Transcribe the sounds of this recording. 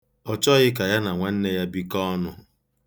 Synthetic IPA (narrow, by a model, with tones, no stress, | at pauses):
ɔ˨t͡ʃɔ˦ɣɪ˦k̬a˨ja˦na˨ŋʷa˨n̩˦ne˦ja˦bi˦kɔ˦nʊ˨